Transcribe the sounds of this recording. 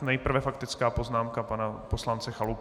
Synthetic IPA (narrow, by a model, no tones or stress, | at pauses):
nɛjpr̩vɛfakt̪ɪt͡skaːpo̞znaːmkapanapo̞slant͡sɛxalup